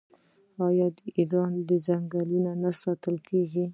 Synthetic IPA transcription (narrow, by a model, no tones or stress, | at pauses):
ɑjɑd̪əʔiɾɑnd̪əzaŋɡalunanasɑt̪əlkeɡi